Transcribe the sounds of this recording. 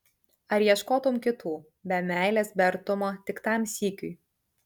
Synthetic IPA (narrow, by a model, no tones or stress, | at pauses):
ɐɾjiɛʃkoːt̪ʊmkʲɪt̪uː | bʲɛmʲæˑɪlʲeːsbʲɛɐɾt̪ʊmoːt̪ʲɪkt̪ɑˑmsʲiːkʲʊɪ